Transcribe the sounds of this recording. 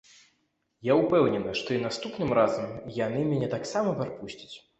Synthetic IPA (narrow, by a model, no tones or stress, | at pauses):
jaupɛwnʲɛnɨʂt̪ɔinast̪upnɨmɾazɐmjanɨmʲɛnʲɛt̪aksamɐpaɾpusʲt͡sʲi̥t͡sʲ